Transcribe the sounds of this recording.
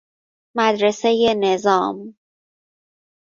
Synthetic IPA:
mæd̪ɾe̞seje̞ne̞zɒːm

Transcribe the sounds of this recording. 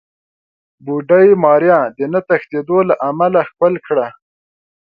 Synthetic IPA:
buɖajmɑɾjɑd̪ənat̪axt̪ed̪olaʔamalaxpəlkɽa

